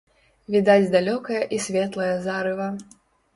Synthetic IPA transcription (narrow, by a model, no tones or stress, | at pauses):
vʲid̪ad͡zʲd̪alʲɔkɐjɐʔisʲvʲɛt̪lˠɐjɐzaɾɨvɐ